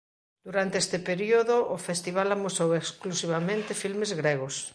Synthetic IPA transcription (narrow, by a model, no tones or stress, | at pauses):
d̪̥uɾant̪eest̪epeɾioðoʔːfest̪iβ̞alamosoweksklusiβ̞amẽnt̪efilmezɣɾeɣ̞os